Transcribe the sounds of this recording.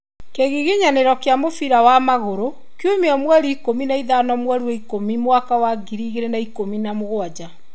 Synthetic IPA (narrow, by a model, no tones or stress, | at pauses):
keɣiɣiɲaneɾɔkeamofiɾawamaɣoɾo | kjumeɔmwɛɾiikominaiðanɔmwɛɾuɛikomimwakawaɡiɾiɣeɾenaikominamoɣoad͡ʑa